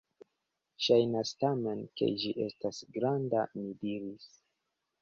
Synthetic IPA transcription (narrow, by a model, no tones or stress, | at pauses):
ʃajnastame̞nke̞̰d͡ʒiʔe̞stasɡɾandamidiɾis